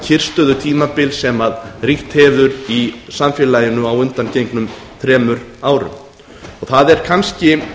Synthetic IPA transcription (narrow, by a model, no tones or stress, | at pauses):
cʰɪr̥st̪œðʏt̪ʰiːmapɪlsɛmaðriht̪hɛvðʏɾisamfjɛːlaːjɪnʏawʏnt̪ancejŋknʏm | θɾɛːmʏɾaːwɾʏ̰m | ɔɣθaðɛɾ̥kʰanscɪ